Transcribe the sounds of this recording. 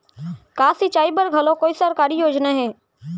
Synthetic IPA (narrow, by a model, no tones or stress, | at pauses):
kaːsit͡ʃaːibəɾɡʱɐlõkoːisəɾkaːɾijoːd͡ʒnaɦɛː